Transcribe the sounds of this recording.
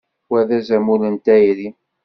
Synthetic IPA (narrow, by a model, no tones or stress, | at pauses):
wæðæzæmulənt̪æjɾi